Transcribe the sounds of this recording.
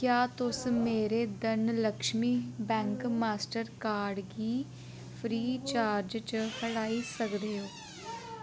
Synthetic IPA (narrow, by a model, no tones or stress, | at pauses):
kjaːt̪ʊsmeːɾeːd̪ənləkʃmiːbɛ̃ːŋkmaːsʈəɾkaːɾɖɡiː | pʰɾiːt͡ʃaːɾd͡ʒt͡ʃəhəɽaːiːsəkd̪eːoː